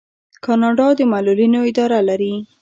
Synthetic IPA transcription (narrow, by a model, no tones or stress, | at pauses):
kɑnɑɖɑd̪əmalulinoɪd̪ɑɾalaɾi